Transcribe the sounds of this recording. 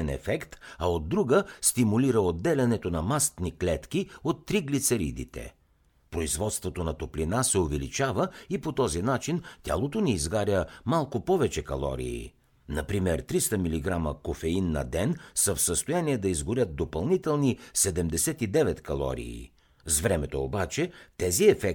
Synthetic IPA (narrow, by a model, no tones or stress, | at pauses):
ɛnɛ̰fɛkt̪ɐod̪ːɾuɡəst̪imuliɾəod̪ːɛlʲɛnɛt̪onɐmast̪niklɛt̪kiot̪ːɾiɡlit̪sɛɾḭd̪ḭt̪ɛ̰ | pɾoizvɔt̪st̪vot̪onɐt̪oplinasɛovɛlit͡ʃavəipot̪ɔzinat͡ʃint̪ʲa̰lˠot̪oniːzɡaɾʲjəmalˠkʊpɔvɛt͡ʃɛkɐlˠɔ̰ɾḭː | nɐpɾimɛɾt̪ɾist̪əmiliɡɾaməkofɛinːɐ̰d̪ɛnsəfsəst̪ojaniɛd̪ɐizɡʊɾʲjət̪̚d̪opɐlˠnit̪ɛlˠnisɛd̪ɛmd̪ɛsɛt̪id̪ɛvɛt̪kɐlˠɔ̰ɾḭː | zvɾɛmɛt̪oːbat͡ʃɛt̪ɛziɛfɛk